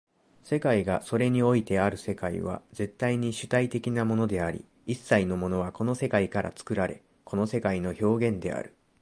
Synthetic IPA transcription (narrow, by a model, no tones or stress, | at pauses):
se̞kaiɡaso̞ɾe̞ɲ̟io̞it̪e̞aɾɯ̟se̞kaḭβ̞a̰ze̞t̪ːaiɲ̟iɕɨ̥t̪ait̪e̞kʲinamo̞no̞d̪e̞aɾʲḭ | isːaino̞mo̞no̞βako̞no̞se̞kaikaɾʔa̰t͡sɨ̥kɯ̟ɾaɾe̞̰ | ko̞no̞se̞kaino̞ço̞ːɡẽ̞nd̪e̞̰a̰ɾɯ̟̥